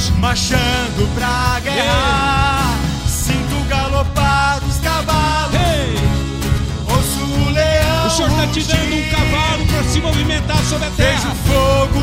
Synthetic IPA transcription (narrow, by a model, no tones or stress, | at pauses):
maʃɐ̃d̪ʊpɾɐɡehaa | sĩk̪ʊɡalopad̪ʊskavalʊes | ozuleɐ̃w̃oɾat͡ʃid̪ɐ̃nd̪ʊuũkavalʊpɾasɪmovimẽnt̪aɾsobɾɐt̪ɛezũfoɡʊ